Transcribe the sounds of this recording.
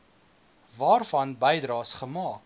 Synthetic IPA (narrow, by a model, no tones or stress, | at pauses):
vɑːrfɐnbəjdrɑːsχəmɑːk̚